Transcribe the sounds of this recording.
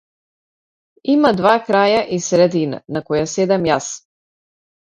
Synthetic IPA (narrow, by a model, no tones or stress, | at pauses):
imad̪vakɾajaʔisɾɛd̪ina̰nakɔjasɛd̪ɛmjas